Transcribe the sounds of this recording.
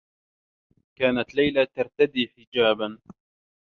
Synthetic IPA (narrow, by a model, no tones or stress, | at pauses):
kaːnat̪lajlat̪aɾˤt̪ad̪iːħɪd͡ʒaːban